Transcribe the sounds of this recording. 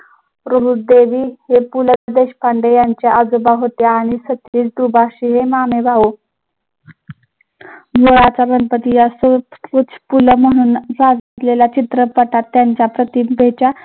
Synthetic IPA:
ɾəbuɾd̪eʋiːɦepuləd̪eɕpaɳɖejaɲt͡ɕjaʔəd͡zobaɦot̪jaːɽ̃isət̪iːt͡sd̪ɾubaɕiɦemameʋaʋo | ɡoɭat͡sabənpət̪ijasut͡spuləm̤əɽ̃uːnd͡zad͡zt̪lelat͡ɕit̪ɾəpəʈat̪ːjaɲt͡ɕjapɾət̪ibʱet͡ɕa

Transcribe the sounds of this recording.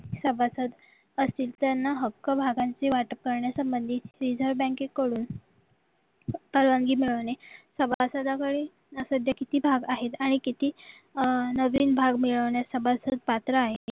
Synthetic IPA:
səbʱasəd̪ | əst̪iːlt̪anːaɦəkːəbʱaɡaɲt͡seʋaʈəkəɾɳjasəmbənd̪ʱiɾid͡zʱəɾʋbɛ̃kekːəɽuːn | pəɾʋaŋɡiːmiɭəʋɳesəbʱasəd̪ʱakəɽi | nəsəd̪ʱjakit̪iːbʱaɡaɦet̪aɽ̃ikit̪iː | nəʋiːnbʱaɡmiɭəʋɳjasəbʱasəd̪̚pat̪ɾəaɦe

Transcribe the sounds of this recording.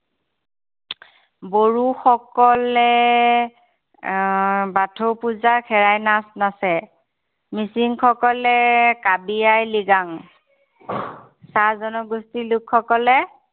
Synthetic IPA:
boɹuxɔkɔlɛ | batʰowpuzaɹkʰɛɹajnasnasɛ | misiŋkʰɔkɔlɛkabijajliɡaŋ | sazɔnɔɡustilukʰːɔkɔlɛ

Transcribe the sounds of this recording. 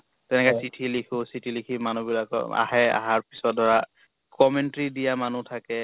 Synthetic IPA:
tɛnɛkɔsitʰilikʰʊsitʰilikʰimanubilakɔ̰a̰ɦɛa̰ɦaɹpi̥sɔt̚dʱɔɹa | kɔmɛntɹidijamanutʰakɛ

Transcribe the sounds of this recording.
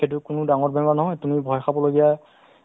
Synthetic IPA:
et̬ʊkʊnʊdaŋɔɹbɛmanɔɦɔjtumibʱɔjxʰabɔloɡija

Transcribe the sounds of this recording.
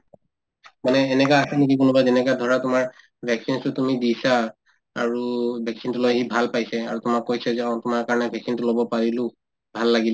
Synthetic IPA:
manɛːnɛkaasɛnekik̬ʊnʊbajzɛnɛkadʱɔɹatʊmaɹ | bʱɛksinstʊtumidisa | a̰ɹubʱɛksintʊlojɦibʱalpajsɛa̰ɹutʊmakːojsɛzɛatʊmaɹkaɹɔnɛbʱɛksintʊlobɔpaɹilʊ̃ | bʱalːaɡila

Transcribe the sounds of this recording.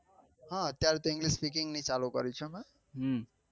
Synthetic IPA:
ɦʌ̃ɦʌt̪jaɾt̪oiŋɡlispikiŋnit͡saloɡʌɾit͡sʰuma | ɦ

